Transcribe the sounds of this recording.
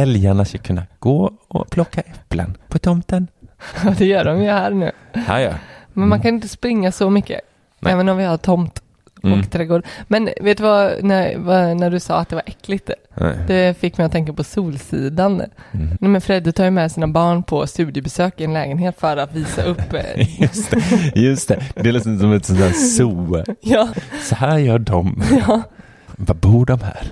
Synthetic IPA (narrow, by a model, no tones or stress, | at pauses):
ɛljaɳaskakʰɵnːaɡ̥oːɔ̰pʰlɔkːaʔɛpːlə̰npʰɔt̪ʰɔmt̪ənɑd̪ɛjœːɖɔmjəhæːɾnʉ̟̰ː | ha̰mɛnmankʰanɪnt̪əspɾɪŋːasɔmʏkːə̰ | ʔɛːvənɔmvɪhat̪ʰɔmt̪ | ɔkt̪ʰɾɛːɡoːɖmɛnveːt̪ːʉvanæɾvanæɖɵsɑ̰ːat̪̚d̪ɛvaɾʔɛkːlɪɡt̪ | d̪̥ɛfɪkːmɛjɔt̪ʰɛŋkapʰɔsuːlsḭːd̪annɛmɛnfɾɛd̪ːɪt̪ʰɑːjəmɛsiːnabɑːɳpʰɔst̪ʉ̟ːd̪ɪəbɛsøːkɪɛnlɛ̰ːɡənheːt̪fœɾat̪viːsa̰ʔɵpːjst̪ɛjɵst̪ɛd̪ɛlɪsɔmsɔmɛt̪sɔnd̪æːɾsuːjɑːsɔhæːɾjœːɖɔmjɑ | vabuːɖɔmhæ̰ːɾ